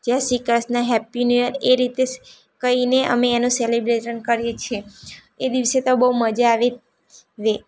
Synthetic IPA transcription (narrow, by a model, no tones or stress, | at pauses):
d͡ʒasikasnaɦɛpːinijəɾeɾit̪e | kəineʔə̰meːnũselibɾeʈənkəɾjet͡ʃʰie | ed̪iʋset̪obəɦuməd͡ʒaaʋe | ʋe